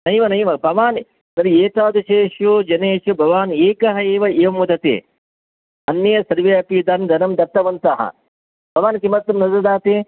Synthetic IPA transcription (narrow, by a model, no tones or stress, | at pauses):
nɐjʋɐnɐjʋɐbʱɐʋaːn | nɐɾieːt̪aːd̪uʃeːʃjud͡ʒɐneːʃubʱɐʋaːneːkɐɦɐeːʋɐeːʋɐmːɐd̪ɐt̪ḛː | ɐnjɐjɐsɐɾʋeɐpid̪ɐnd̪ʱɐnɐmd̪ɐɾt̪ɐʋɐnt̪ɐɦɐ̰ | bʱɐʋaːnkimɐt̪ːɐmnɐzɐɾd̪aːt̪eː